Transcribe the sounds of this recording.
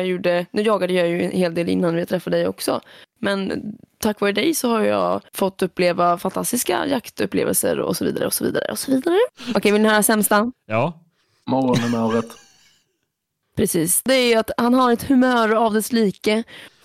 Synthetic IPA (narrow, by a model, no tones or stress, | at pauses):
juːɖənʉ̟ːjɑːɡad̪əjɑjɵɛnheːld̪eːlɪ̰nːanvɪhat̪ʰɾɛfːad̪d̪ɛjɔ̰ksɔ̰mɛnt̪ʰakːvɑːɾəd̪ɛjsɔhaɾjjɑ̰ːfɔt̪ːɵpːleːvafant̪ʰast̪ɪska̰jakt̪ɵpːlḛːvə̰lsə̰ɾɔ̰sɔvḭːd̪a̰ɾə̰ɔsɔvḭːd̪aɾə̰ʔɔsɔviːd̪aɾəʔɔkʰɛjvɪlɛnhœːɾasɛmst̪ajɑː | mɔɾɔnɛmoːɾət̪ | pʰɾɛsiːsd̪ɛæɾjat̪hanhaɾɛt̪hɵmœːɾavd̪ɛsliːkə